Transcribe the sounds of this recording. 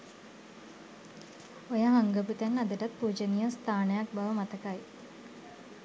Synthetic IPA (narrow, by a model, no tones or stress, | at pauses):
ojɐɦɐŋɡɐput̪ɐnɐd̪ɐʈɐt̪̚puːd͡ʑɐnijɐst̪ʰaːɳɐjaːk̚bɐʋɐmɐt̪ɐkaːji